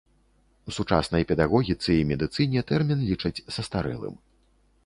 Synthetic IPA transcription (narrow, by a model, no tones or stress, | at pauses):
usut͡ʂa̰snɐjpʲɛd̪aɣɔɣʲit̪sɨimʲɛd̪ɨt̪sɨnʲɛt̪ɛrmʲinlʲit͡ʂɐt͡sʲsɐst̪aɾɛ̰lˠɨ̰m